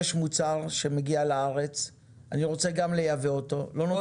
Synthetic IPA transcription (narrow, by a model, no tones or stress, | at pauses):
ʃmut͡saʁʃe̞meɡialaaʁe̞t͡s | aniʁo̞t͡seɡamle̞javeoto̞lo̞no